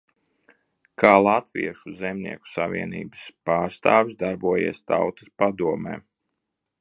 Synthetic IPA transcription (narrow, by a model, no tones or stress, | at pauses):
kʰaːlˠat̪vḭɛʃuzɛmʲnḭɛku̥savḭɛnḭːbəspaːɾst̪aːvisd̪aɾbuɔjḛɛst̪a̰wt̪ə̥spad̪uɔmɛ̰ː